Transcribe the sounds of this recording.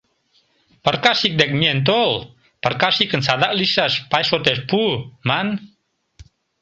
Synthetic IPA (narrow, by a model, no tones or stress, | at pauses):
pərkasik̚dɛk̚miɛnt̪̬ol | pərkasikːənsad̪aʔlisaspajsɔt̪ɛspuman